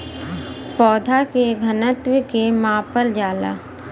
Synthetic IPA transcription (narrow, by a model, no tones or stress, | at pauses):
pɔːd̪ʱakeɡʱənət̪wɪkemãːpəld͡ʒaːla̰